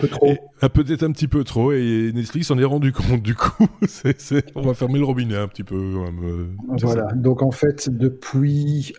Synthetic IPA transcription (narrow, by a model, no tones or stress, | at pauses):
pøt̪χo | ɛ̃pøt̪ɛt̪χɛ̃pət̪ipøt̪χoenɛt̪fliksɑ̃nɛʁɑ̃d̪ykɔ̃t̪̚d̪ykʰu̥sɛsɛɔ̃vafɛʁmeləʁɔbinɛɛ̃pət̪ipøkɑ̃mɛmøvwalad̪ɔ̃kɑ̃fɛt̪d̪əpʰɥi